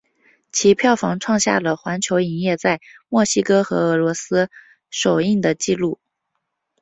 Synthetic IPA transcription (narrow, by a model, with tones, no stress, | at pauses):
t͡ɕʰi˧˥pʰjɑ˥˩ʊfɑ˧˥ŋʈ͡ʂʰwɑ˥˧ŋɕja̰˥˩lə˩xwa˧˥nt͡ɕʰjo˧˥ʊi˨˩njɛ˥˧t͡sa˥˧ɪmwɔ˥˩ɕi˥kɤ˥xɤ̰˧˥ɤ˧˥lwɔ˧˥sɹ̩˥ | ʂo˨˩ʊi˥˩ŋd̪ə˩t͡ɕi˥˧lu˥˩